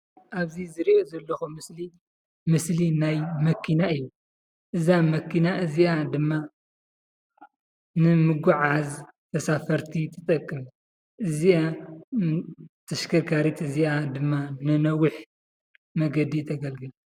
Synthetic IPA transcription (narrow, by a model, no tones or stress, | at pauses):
ʔaβzizɨɾiʔozɐlːɐxumɨsli | mɨslinajmɐkʰːinaɨjːu | ʔɨzamɐkʰːinaʔɨziad̪ɨmːa | nɨmɨɡuʕaz | t̪ʰɐsafɐɾt̪ʰit̪ʰɨt̪ʼɐkʼːɨm | ʔɨzia | t̪ʰɐʃkʰɐkʰaɾit̪ʰɨziad̪ɨmːanɨnɐwɨħ | mɐɡɐd̪it̪ʰɐɡɐlɡɨlu